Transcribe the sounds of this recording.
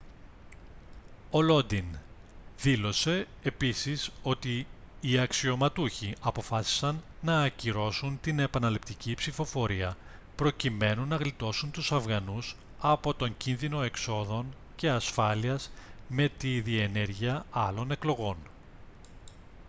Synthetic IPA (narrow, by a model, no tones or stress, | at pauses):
o̞lo̞d̪inðilo̞se̞ː | pisiso̞t̪iːɐksio̞mɐt̪uçiʔɐpo̞fɐsi̥sɐnːɐːciɾo̞sunt̪ine̞pɐnɐlip̚t̪icipsifo̞fo̞ɾiɐ | pɾo̞cime̞nunːɐɣlit̪o̞sunt̪usɐvɣɐnus | ɐpo̞t̪o̞ɲɟinðino̞e̞kso̞ðo̞n | ce̞ɐsfɐliɐzme̞t̪iðie̞ne̞ɾʝiɐɐlo̞ne̞klo̞ɣo̞n